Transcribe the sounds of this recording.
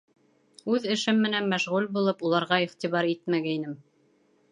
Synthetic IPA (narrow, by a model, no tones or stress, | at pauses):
ʉðɘ̆ʃɘmːɘ̆nænmæʃʁʉlbulˠɤpulˠɑɾʁɑiχt̪iβɑɾit̪mæɡæinɘm